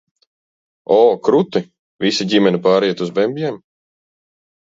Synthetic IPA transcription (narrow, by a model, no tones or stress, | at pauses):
ɔːkɾut̪i | vʲisiɟʲimɛnipaːɾiɛt̪uzbɛmbʲjɛm